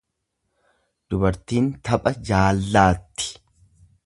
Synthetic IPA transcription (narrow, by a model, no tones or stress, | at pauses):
d̪̥ʊbɐɾt̪iːnt̪ɐpʼɐd͡ʒaːlːaːt̪ːɪ̥